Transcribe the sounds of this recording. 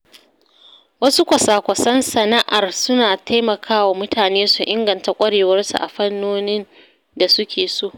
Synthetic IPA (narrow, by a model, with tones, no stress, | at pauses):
wɐ˦su˦kʷɐ˨saː˨kʷɐ˨sɐ˦nsɐ˨na˦ʔa˨rsʊ˦naː˨tʰa˦jmɐ˨kʰaː˦wa˨mʊ˦taː˨neː˦su˨ʔɪ˦ŋɡɐ˨nta˨kʷʼɐ˦ɽeː˨wɐ˦rsṵ˨ʔa˨ɸɐ˦nːoː˦nɪ˦n | da˨sʊ˦kʲʰeː˨soː˦˨